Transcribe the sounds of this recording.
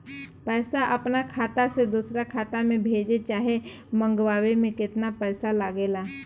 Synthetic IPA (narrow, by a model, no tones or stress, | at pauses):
pɛːsaʔɐpnakʰaːt̪ased̪uːsɾakʰaːt̪amẽbʱeːd͡ʒet͡ʃaːɦe | mə̃ŋɡwaːwemẽkɪt̪napɛːsalaɡeːlaː